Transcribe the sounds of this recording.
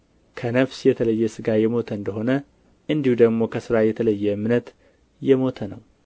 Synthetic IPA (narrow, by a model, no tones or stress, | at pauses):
kʰənəfsjɛt̪ʰələjːɛsɨɡajɛmo̞t̪ʰəɨnd̪əɦo̞nə | ʔɨnd̪ihud̪əɡmo̞kʰəsɨɾajɛt̪ʰələjːɛmnət̪ | jɛmo̞t̪ʰənəw